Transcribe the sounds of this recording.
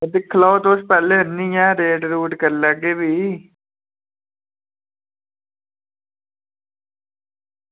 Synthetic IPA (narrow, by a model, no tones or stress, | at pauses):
d̪ɪkʰːlaot̪ospɛːleːənːijãːɾeːʈɾuːʈkəɾləɡeːʋiː